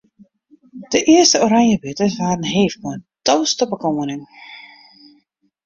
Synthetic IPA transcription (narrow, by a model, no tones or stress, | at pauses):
d̥əʔɪəstəoɾaŋjəbɪtəsʋaːrən̩ɦeːfəəntɔwstəbəkomənɪŋ